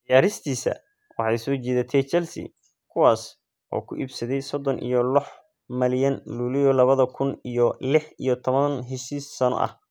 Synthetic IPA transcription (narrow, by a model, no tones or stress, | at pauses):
d̪ɪjaːɾɪst̪ʰiːsɐ̰ | wɑħɑjsɔːt͡ʃɛːðɐt̪ʰɛt͡ʃɛlsɪ̰ | kʰʊwaːs | ʔɔ̰ːkʰʊʔiːbsɐðɛjsɔd̪ɔnʔḭjɔlɔħ | mɐljɐnluːlɪjɔlɐβɐðɐkʰʊnijɔlɪħḭjɔt̪ʰɔβɐnɦɪʃisːɐnɔ̰ʔɐ̰h